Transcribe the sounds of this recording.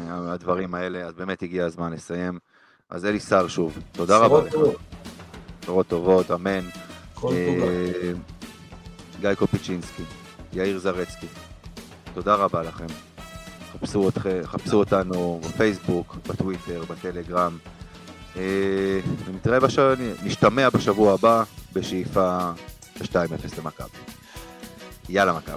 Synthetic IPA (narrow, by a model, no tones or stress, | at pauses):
ad̪vaʁimae̞le̞azbe̞ːme̞t̪iɡiazmanle̞saje̞m | ʔa̰zelisaʁʃuvt̪o̞d̪aʁabal | oʁot̪ːo̞vo̞t̪ame̞n | e | ɡajkopit͡ʃinski | jaiʁzaʁet͡ski | t̪o̞d̪aʁabalaχe̞m | χapsuot̪χeχapsuot̪anubefejsbukbatwite̞ʁbatele̞ɡʁam | e | nit̪ʁaebaʃaniniʃtame̞abaʃavuaːbabe̞ʃeifa | beʃtaimefeslemaka̰bi | jalamaka̰bi